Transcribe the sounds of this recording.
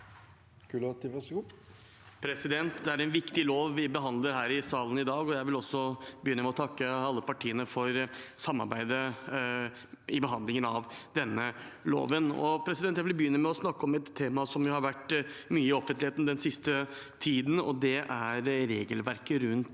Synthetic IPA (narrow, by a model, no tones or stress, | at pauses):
kʉlt̪ɪʋɛsu | pʰɾɛsɪd̪ɛnt̪d̪ɛæɾɛnʋɪkt̪ɪloːʋːɪbəɦɑnd̪ləɾɦæːɾɪsɑːlənɪd̪ɑːɡɔjæɪʋɪlɔsːɔbəjʏnːəmɛɔt̪ʰɑkːəɑlːəpɑʈʰiːənəfɔɾsɑmːɑ̰ɾbæɪd̪ə | ɪbəɦɑnd̪lɪŋənɑʋd̪ɛnːəlo̰ːʋənɔ̰pʰɾɛsɪd̪ɛnt̪jæɪʋɪlbəjʏnːəmɛɔsnɑkːəɔmɛt̪ʰːeːmɑsɔmjʊhɑɾʋæʈːmyːəɪɔfənt̪lɪheːt̪n̩d̪ɛnsɪst̪ət̪ʰiːd̪n̩ɔ̰d̪ɛʔæɾɾeːɡəlʋæɾkəɾʉnt̪